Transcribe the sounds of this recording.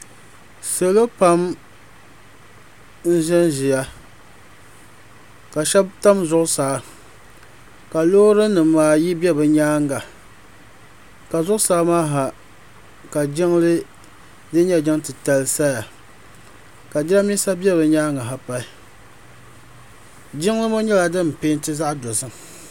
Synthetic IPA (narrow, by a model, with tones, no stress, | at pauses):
sɨ˨lɨ˦pa˦m | n̩˦ʒɛ˦nʒɪ˨ja˨ | ka˨ʃɛ˦bta˦mzʊ˦ʔʊ˦sa˨ | ka˨lo˦ɾɨ˦nɨː˨aː˨ji˦bi˦ɛ˦bɨ˨ɲaː˦ŋɡa˨ | ka˨zʊ˦ʔʊ˦sa˦maː˦ɦa˨ | ka˨d͡ʒɪ˦ŋlɨ˦ | dɨ˦n˦ɲɛ˦d͡ʒɪ˦ŋ˦tɨ˨ta˨lsa˦ja˨ | ka˨d͡ʒɪ˦la˦mi˦sa˦bɛ˦bɨ˨ɲaː˦ŋa˨ɦa˨pa˨i˦ | d͡ʒɪ˦ŋ˦lɨ˦mo˦ɲɛ˦la˨dɨ˦m˨pe˦n˦tɨ˦za˦ʔdo˨zɨ˨ŋ˨